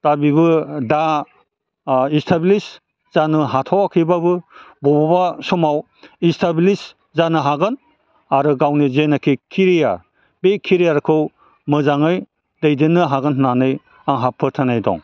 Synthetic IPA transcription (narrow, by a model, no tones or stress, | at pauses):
d̥abiβɯda | istʰablis | z̥anɯɦatʰɔwakʰibabɯbɔbɔbasɔmaw | istʰablis | zanɯɦaɡɯn | aɾɯɡawnizenakʰikʰiɾija | bekʰiɾijaɾkʰɯw | mɯzaŋɯj | dejdɯnːɯɦaɡɯnɦnanɯj | aŋɦapʰɯɾtʰanajdɔ̰ŋ